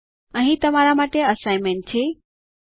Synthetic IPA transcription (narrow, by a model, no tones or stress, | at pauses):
ə̃ɦĩt̪əmaɾamaːʈeəsaɪmen̚t͡ʃʰe